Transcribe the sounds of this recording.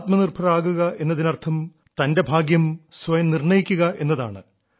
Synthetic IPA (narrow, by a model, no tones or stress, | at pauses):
t̪mɐnirbʰʱɐraːɣuɣɐʔe̞nːɐðinɐrt̪ʰɐm | t̪ɐnde̞bʱaːɡjɐmsʋɐjɐmnirɳɐjikʲːuɣɐʔe̞nːɐðaːɳɨ